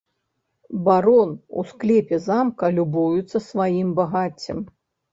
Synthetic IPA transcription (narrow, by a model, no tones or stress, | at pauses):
baɾɔnṵsklʲɛpʲɛzamkɐlʲubujut̪sːɐsvajimbaɣat͡sʲːɐm